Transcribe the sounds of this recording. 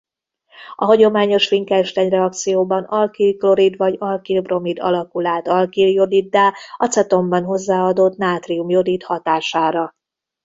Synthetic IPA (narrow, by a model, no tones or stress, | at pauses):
ɒ̰ɦɒɟo̞maːɲo̞ʃfiŋkɛʃt̪ɛɲrɛɒk̚t̪sijoːbɒnɒlkilklo̞ɾid̪ʋɒɟɒlkilbro̞mid̪ɒ̰lɒkulaːt̪ɒlkiljo̞d̪id̪ːaːɒt̪sɛt̪o̞mbɒnɦo̞zːaːɒd̪ot̪naːt̪riumjo̞d̪it̪hɒt̪aːʃaːɾɒ